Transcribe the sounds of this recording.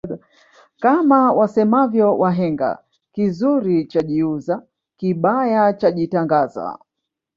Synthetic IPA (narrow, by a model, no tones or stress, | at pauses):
kamawasɛmavjɔwʔaɦɛŋɡa̰ | kizuɾit͡ʃaʄiuza | kiɓajat͡ʃaʄitaŋɡaza̰